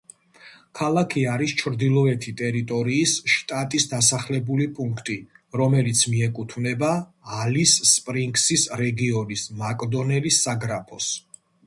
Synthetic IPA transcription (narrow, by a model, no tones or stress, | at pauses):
kʰalˠakʰiaɾist͡ʃʰɾd̪ilˠɔɛt̪ʰit̪ʼɛɾit̪ʼɔɾiːsʃt̪ʼat̪ʼisd̪asaχlɛbulipʼuŋkʰt̪ʼiɾɔmɛlit̪sʰmiɛkʼut̪ʰvnɛbaː | lisːpʼɾiŋɡsisɾɛɡiɔnismakʼd̪ɔnɛlisːaɡɾapʰɔs